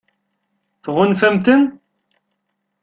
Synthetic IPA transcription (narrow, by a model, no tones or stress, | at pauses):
fʁʊnfæmt̪ən